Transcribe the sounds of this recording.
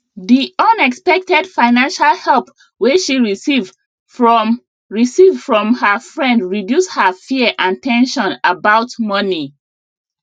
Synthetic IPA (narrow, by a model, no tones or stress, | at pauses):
ðiɔ̃nɛkspɛk̚tɛdfaɪnãnʃalˠhɛlˠp | wiʃiɹiv | ɹisivfɹɔ̃mhəfɹɛ̃ndɹidjushəfiəʔãntɛ̃nʃɔ̃nabaʊtmʌni